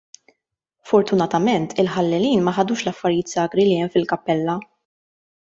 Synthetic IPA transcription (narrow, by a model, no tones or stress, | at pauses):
fɔɾt̪ʊnɐt̪ɐmɛnt̪ʰɪlħɐlːɛliːnmɐħɐd̪uːʃlɐfːɐɾjiːt̪sɐːɡɾiliɛmfɪlkɐpːɛlːɐ